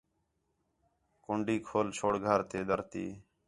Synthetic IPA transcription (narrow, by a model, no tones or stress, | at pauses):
kʊɳɖiːkʰoːlt͡ʃʰoːɽɡʱəɾt̪eːd̪əɾt̪ḭː